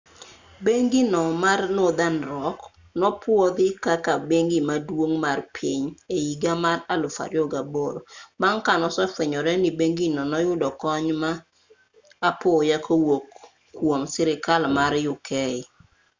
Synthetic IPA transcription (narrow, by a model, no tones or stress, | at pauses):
beŋɡinɔmarnod̪anɾɔk | nɔpwɔd̪ɪkakabeŋɡimadwoŋmarpʰiɲeiɡamaralʊfa̰ɾjoɡaboɾobaŋkanɔsɔfeɲɔɾɛnibeŋɡinɔnɔjʊdɔkɔɲmaː | pojakʰowokː | womsɪɾɪkalmaɾjʊkʰɛɪ